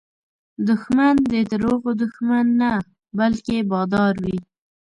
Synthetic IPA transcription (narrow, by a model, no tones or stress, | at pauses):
d̪ʊxmand̪ət̪əɾoɣod̪ʊxmanːa | balkebɑd̪ɑɾwi